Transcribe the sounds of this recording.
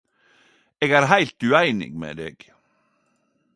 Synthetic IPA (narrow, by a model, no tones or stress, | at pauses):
ɛɣɛɾɦajl̥t̪ʉajnɪ̰ŋmɛ̰ðɪ̰ɣ